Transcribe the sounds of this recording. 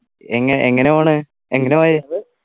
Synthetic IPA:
eŋːɐʔeŋːɐneaːɳɨ | eŋːɐneʋajjðɨ

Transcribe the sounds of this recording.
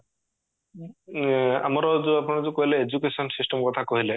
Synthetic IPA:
a̰mɔɾɔd͡ʒoapnɔɽɔd͡ʒokoɦileed͡ʒukesɔnsisʈɔmkɔt̪ʰakoɦile

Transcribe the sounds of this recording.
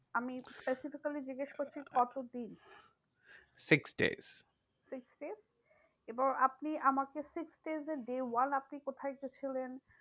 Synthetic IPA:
amispesifikalid͡ʑiɡeʃkoɾt͡ɕʰikɔt̪od̪in | siksɖḛz̥ | siksɖez | ebɔŋapniʔamakesiksɖezeɾɖewanapnikot̪ʰajket͡ɕʰilen

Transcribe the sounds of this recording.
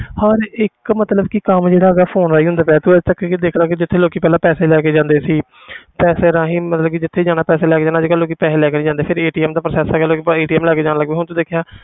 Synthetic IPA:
həɾɪkmət̪ləbkikəmd͡ʒeːɽaːəɡaːpʰoːnɾaːiːɦʊ̃nd̪aːpɛːt̪ũːɛt̪əkːd̪eːkʰɾaːkɪd͡ʒɪt̪ʰːeːloːkiːpɛːlãːpɛːseːlɛːkeːd͡ʒãːnd̪eːsiː | pɛːseːɾaːɦĩːmət̪ləb̚kɪd͡ʒɪt̪ʰːeːd͡ʒaːɽ̃aːpɛːseːlɛːkeːd͡ʒaːnad͡ʒeːkaloːkiːpɛːseːlɛːkeːnĩːd͡ʒãːnd̪eːpʰɪɾeːʈiːɛːmd̪aːpɾəsɛːsɛːɡɛloːkieːʈiːɛːmlɛːkeːd͡ʒaːnaːləɡʋeːɦʊñt̪õːd̪eːkʰjaː

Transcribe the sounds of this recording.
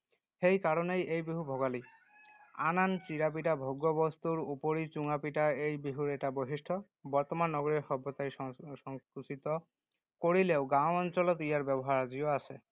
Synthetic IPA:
hejkaɾɔnejejbiɦubʱɔɡali | anant͡ɕiɾap̬iʈabʱɔɡːɔbɔst̪uɾupoɾit͡ʃuŋapiʈaejbiɦuɾɛʈaboɦisʈʰɔ | bɔɾt̪ɔmanːɔɡɔɾiɾxɔbʱɔt̪ajɔsɔŋkusit̪ɔ | koɽileoɡãwɔnt͡ʃɔlɔt̪ijaɹbɛbɔɦaɾaziɔase

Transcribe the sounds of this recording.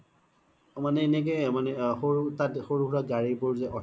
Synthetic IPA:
manɛːnɛk̬ɛmanɛxoɹutatxoɹuɡɹɔt̚ɡaɹipʊɹzɛʔɔ

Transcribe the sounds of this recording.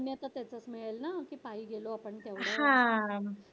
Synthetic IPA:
njat̪at̪jat͡sət͡smiɭelnakiːpaɦiːɡeloapəɳt̪jaʋaɦã

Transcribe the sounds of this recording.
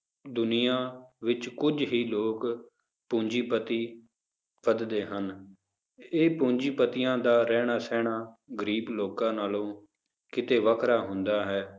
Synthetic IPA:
d̪ʊnɪjãːʋɪt͡ʃkʊd͡ʒɦiːloːk | põːɲd͡ʒiːpət̪iː | pəd̪d̪eːɦən | eːpõːɲd͡ʒiːpət̪ɪjãːd̪aːɾɛːɽ̃aːsɛːɽaː | ɡəɾiːbloːkãːnaːlõː | kɪt̪eːʋəkʰɾaːɦʊnd̪aːɦɛː

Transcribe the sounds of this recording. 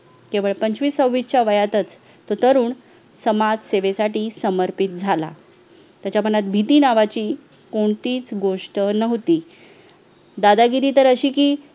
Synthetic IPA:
kẽʋəɭpəɲt͡ɕʋiːsəwʋit͡ɕaʋəjat̪ət͡s | t̪ot̪əɾuːɳ | səmad͡zseʋesaʈiːsəməɾpit̪̚d͡zʱala̰ | t̪jat͡ɕam̤ənat̪̚bʱit̪iːnaʋat͡ɕiː | koɳt̪iːt͡sɡoʂʈənəɦt̪iː | d̪ad̪aɡiɾiːt̪əɾəɕiːkiː

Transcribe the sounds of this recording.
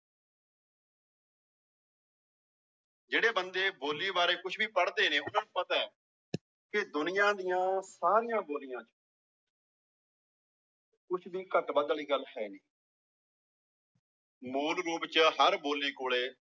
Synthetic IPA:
d͡ʒeːɽeːbənd̪eːboːliːbaːɾeːkʊt͡ʃʰbiːpəɽd̪eːneːʊnãːnũːpət̪aː | kɪd̪ʊnɪjãːd̪ɪjãːsaːɾijãːboːlɪjãːt͡ʃ | kʊt͡ʃʰbiːkət̪bəd̪liːɡəlːhɛːniː | muːlɾuːpt͡ʃəɦəɾboːliːkoːɭeː

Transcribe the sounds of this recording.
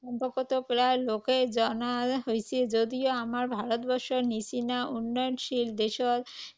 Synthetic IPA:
ɔmpokot̪okɾaloked͡ʑɔnaɦojt͡ɕʰed͡ʑod̪ioamaɾbʱaɾot̪bɔɾʃoɾnisinaunːɔjɔnʃild̪eʃɔɾ

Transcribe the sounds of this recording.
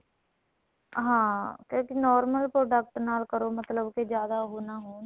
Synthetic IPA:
ɦãːkjõːkinɔːɾməlpɾoːɖək̚ʈnaːlkəɾoːmət̪ləbked͡ʒjaːd̪aːɦoːnaːɦoːn

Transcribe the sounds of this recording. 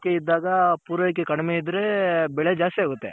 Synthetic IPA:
kːeid̪ːaːɡapuːɾɐjk̬ːekɐɽɛmeid̪ɾebɛɭed͡ʒaːst̪eɦaɡut̪ːḛ

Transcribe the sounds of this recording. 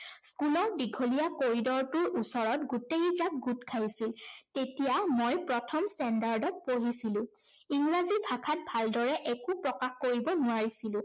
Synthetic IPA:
skulɔɹdiɡʱolijakoɹidɔɹtʊɹusɔɹɔtɡutejzak̚ɡutkʰajsiltetijamojpɹɔtʰɔmstɛndaɹdɔt̚poɦisilʊ̃ | iŋɡɹazibʱakʰat̚bʱaldɔɹɛʔɛkupɹɔkaxkoɹibɔnʊaɹisilʊ̃

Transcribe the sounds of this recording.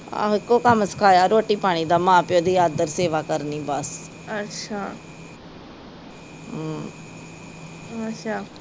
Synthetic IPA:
a̰ːɦɪkːoːkəməskʰaːjaːɾoːʈiːpaːɽ̃iːd̪amãːpɪjoːd̪iːaːd̪əɾseːʋaːkəɾniːbəs | ətːʃʰaː | ʃʰaː

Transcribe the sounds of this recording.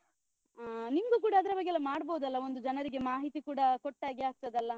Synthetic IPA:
nimɐɡuk̬uːɽɐːd̪ɐɾɐbɐɡːeɛlːɐmaːɽboːud̪ɐlːɐo̞nd̪ud͡ʒɐnɐɾiɡe̞maːɦit̪ikuːɽɐkoʈːaːɡiaːk̚t̪ɐd̪ɐlːɐ

